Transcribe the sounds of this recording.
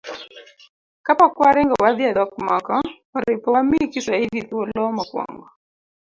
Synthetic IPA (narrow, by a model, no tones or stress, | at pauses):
kapakuaɾɛŋɡawaðiadakmakawaɾaipɔmikisaiðiðuɔlɔmakwa̰ŋɡɔ